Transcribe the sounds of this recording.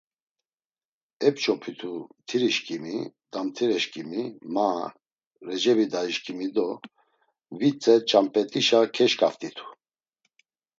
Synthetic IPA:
ɛp̚t͡ʃʰʼɔpʰit̪ʰut̪ʰiɾiʃkʼimid̪amt̪ʰiɾɛʃkʼimima | ɾɛd͡ʒɛbid̪aiʃkʼimid̪ɔ | vit͡sʼɛt͡ʃʼampʼɛt̪ʼiʃakʰɛʃkʼaft̪ʼit̪ʰu̥

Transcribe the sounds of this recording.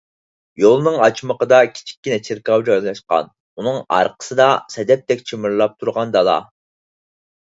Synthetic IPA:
jolˠnɨŋɑt͡ʃməqəd̪ɑkʲʰi̥t͡ʃʰi̥kʲːinɛt͡ʃʰiɾkɑwd͡ʒɑzlˠɑʃqɑ̰n | unɨŋɑ̰ɾqʰə̥sɨd̪ɑsɛd̪ɛp̚t̪ɛk̚ʲt͡ʃʰimɨɾlˠɑp̚t̪ʰuɾʁɑnd̪ɑlˠɑ̰

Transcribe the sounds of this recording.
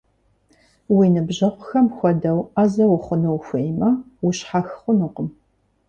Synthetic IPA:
winɨbʑɐʁʷʊxɐmxʷɔdɐwaːzɐwʊχʷʊnɨwxʷejmɐ | wʊɕħaxχʷʊnuqəm

